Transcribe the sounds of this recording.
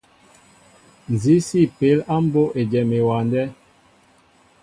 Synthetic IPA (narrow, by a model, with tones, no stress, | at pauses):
n˨zi˨˦si˦˨pe˨˦la˦m̩˦bo˦ʔe˨d͡ʒɛ˨me˨wa˨ndɛ˦